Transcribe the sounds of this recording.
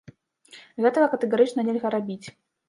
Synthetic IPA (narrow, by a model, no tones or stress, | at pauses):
ɣɛt̪ɐvɐkɐt̪ɨɣaɾɨt͡ʂnɐnʲɛlʲɣɐɾabʲit͡sʲ